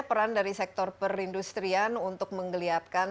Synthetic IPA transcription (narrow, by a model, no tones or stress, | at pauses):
pəɾandaɾisɛk̚t̪ɔrpərindust̪ɾianunt̪ʊk̚məŋɡəliat̪̚ka